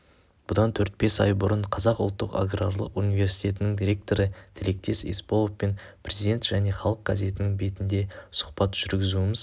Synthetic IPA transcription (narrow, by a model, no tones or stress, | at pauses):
b̥ʊd̪ɑnt̪ʰɵɾt̪̚be̞sɑ̰jbʊɾəɴqʰɑzɑqʊ̰lˠt̪ːəqa̰ɡrarlˠə̰qunijve̞ɾsi̥t̪ʲe̞t̪ɪnɪŋd̪iɾʲe̞k̚t̪o̞ɾət̪ʰɪle̞k̚t̪e̞sḛspolˠoppe̞npʰrʲezid̪ʲe̞nt̪ʒ̥æne̞χɑlˠəq̚ɡ̥ɑze̞t̪ɪnɪŋbe̞t̪ɪnd̪e̞sʊ̥qpɑt̪ʒ̥ʏɾɡʲɪzuɪmɪz